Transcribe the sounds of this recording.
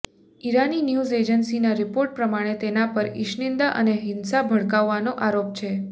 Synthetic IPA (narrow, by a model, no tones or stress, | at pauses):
iɾaninjuzed͡ʒənsinaɾɪpoɾʈ̚pɾəmaɽ̃et̪enapəɾɪʃnɪnd̪aʔə̰neɦɪnsabʱəɽkaʋːanoʔaɾop̚t͡ʃʰe